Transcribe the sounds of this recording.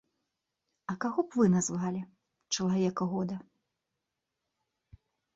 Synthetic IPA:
ɐkaɣɔpvɨnazvalʲi | t͡ʂɐlˠavʲɛkɐɣɔd̪ɐ

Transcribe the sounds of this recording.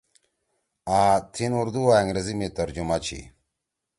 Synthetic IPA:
aːt̪ʰinuɾd̪uaɐŋɡɾezimit̪ɐɾd͡ʑumat͡ɕʰḭ

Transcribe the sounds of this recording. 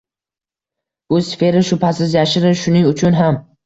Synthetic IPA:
bʊsfe̞ɾɪʃʊpʰasɪzjaʃɪɾɪʃʊnɪŋʊt͡ʃʰʊnɦam

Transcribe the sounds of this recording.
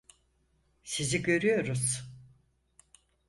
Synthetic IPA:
siziɟø̞ɾyjo̞ɾuz̥

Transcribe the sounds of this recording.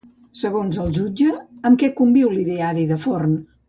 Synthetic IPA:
səɣonzəlˠʒud͡ʒəːmkɛkumbiwliðeaɾiðəforn

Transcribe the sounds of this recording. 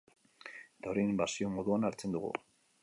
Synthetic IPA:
et̪aoɾejnmbasio̞mo̞ðuanaɾt͡se̞nd̪uɣṵ

